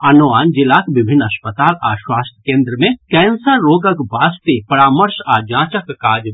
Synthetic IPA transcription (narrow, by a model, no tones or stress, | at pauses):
ɐnoaːnd͡ʒɪlaːkʋɪbʱɪnːɐspət̪aːla̰ːʃwaːst̪ʰkẽːnd̪ɾəmẽkɛːnsəɾɾoːɡəkbaːst̪epɐɾaːməɾʃaːd͡ʒãːt͡ʃəkkaːd͡ʒ